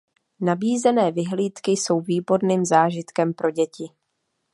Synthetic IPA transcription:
nabiːzɛnɛːvɪɦliːt̪kɪso̞wviːbo̞ɾniːmzaːʒɪt̪kɛmpɾo̞ɟɛcɪ

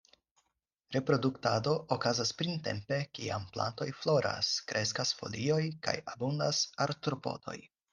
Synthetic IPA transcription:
ɾe̞pɾo̞duktado̞ʔːkazaspɾinte̞̰mpe̞kiampla̰nto̞jflo̞ɾʔa̰skɾʔe̞skasfo̞̰lio̞jka̰jabundasaɾtɾopo̞̰d̥o̞̰j

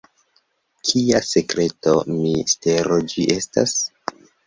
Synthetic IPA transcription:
kʰiase̞kɾe̞to̞miste̞ɾod͡ʒiʔe̞sta̰s

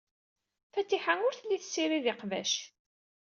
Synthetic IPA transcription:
fæt̪ːiħaŋʊɾθlːiθəsːiɾiðɪqvæ̰ʃ

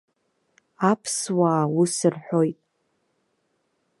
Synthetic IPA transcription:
apʰswaːwusɨrħʷo̞jtʼ

